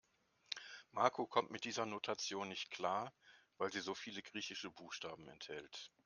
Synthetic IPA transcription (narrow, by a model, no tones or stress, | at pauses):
maɐkʰokʰɔmtmɪt̚d̥iːzɐnotʰat͡sjoːnːɪçtkl̥aːɐvaɪlziːzoːfiːləɡʁiːçɪʃəbuːxʃtaːbm̩ɛ̰nthɛlt